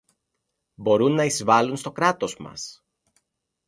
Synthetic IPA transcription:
bo̞ɾunːɐizvɐlunst̪o̞kɾɐt̪o̞zmɐ̰s

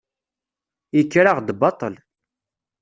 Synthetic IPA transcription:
jikːɾaʁd̪bɑt̪ˤəl

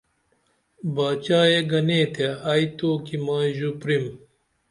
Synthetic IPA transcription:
baːt͡ɕaːjeɡɐneːt̪ʰeait̪oːkimaːʑupɾim

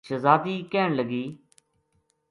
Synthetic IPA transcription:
t͡ʃʰəzaːt̪iːkɛːɳləɡiː

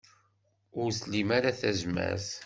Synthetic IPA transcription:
ʊɾslimaɾaθæzmæ̰θ

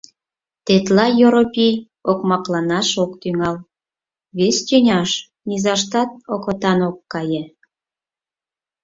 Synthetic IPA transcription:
t̪et̪lɑjoɾopʲi | okmɑklɑnɑʃokt̪yŋɑl | βestʲynʲɑʃ | nizɑʃt̪ɑt̪̚okɤt̪ɑnokːɑjĕ

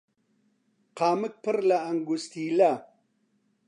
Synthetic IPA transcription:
qɑːmək̚pəɾlaːŋɡust̪ila

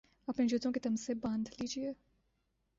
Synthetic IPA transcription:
ɐpned͡ʒʊt̪õket̪ɐmsebɐ̃ːnd̪liːd͡ʒiɛ

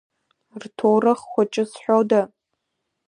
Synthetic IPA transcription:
rtʰowrɨχχʷat͡ʃʼɪsħʷᶣowda

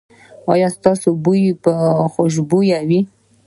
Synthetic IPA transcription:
ɑ̰jɑst̪ɑsobujpəxoʃ̬bujawi

